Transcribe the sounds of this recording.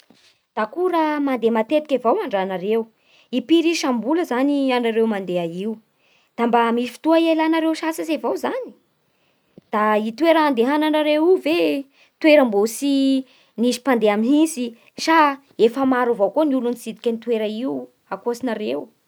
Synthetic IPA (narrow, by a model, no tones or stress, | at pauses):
d̪̥akuɾamand̪emat̪et̪i̥kʲevawaɳɖ͡ʐanaɾew | ipiɾiʃambuləzanianaɾewmand̪eaiu | d̪̥ambamisi̥fi̥t̪uaielanaɾewʃasəsevowzani̥ | d̪̥ait̪weɾəand̪eɦananaɾewive | t̪weɾəmbosi | nizi̥pand̪eaminisi | ʃa | efəmaɾuvowkoniulunisid̪i̥kʲənit̪weɾəiw | akosinaɾew